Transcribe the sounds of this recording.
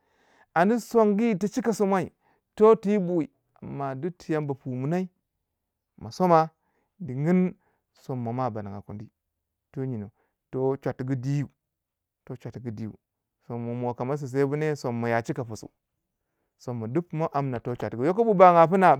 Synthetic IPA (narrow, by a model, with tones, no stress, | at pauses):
a˨ndi˦so˦ŋɡi˦˨ti˨t͡ʃi˦ka˨so˦mʷa˦i˨ | to˦ti˦bu˨i˨ | a˨mːa˨du˦tʰi˨ja˦mba˨pu˨mu˨na˦i˦ | ma˨so˦ma˦ | di˨ŋi˦n | so˨mːa˨ma˦˨ba˨na˨ŋɡa̰˨ku˨ndi˦ | to˦ɲi˨no˨ | to˦t͡ʃʷa˨tɡu˦di˦ju˨ | to˦t͡ʃʷa˨tɡi˦di˦jṵ˨ | so˨mːa˨mo˨ka˨ma˦s̬i˨s̬e˦bu˦ne˦so˨mːa˨ja˨t͡ʃi˦ka˨pu˨sṵ˨ | so˨mːa˨du˦pmo˦ʔa˨mna˨to˦t͡ʃʷa˨tɡu˨˦jo˦ko˦bu˦ba˨ŋa˨pu˦na˨